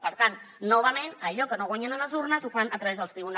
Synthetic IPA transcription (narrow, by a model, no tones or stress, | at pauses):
pəɾt̪ant̪ | noβəmẽnaʎokənoɣwaɲanaləzuɾnəzufanat̪ɾɐβezðəlˠst̪ɾiβun